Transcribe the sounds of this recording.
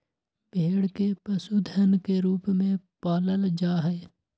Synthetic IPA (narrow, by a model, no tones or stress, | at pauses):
bʱeːɽkepəsud̪ʱənkeɾuːpmẽpaːləld͡ʒaːɦɛː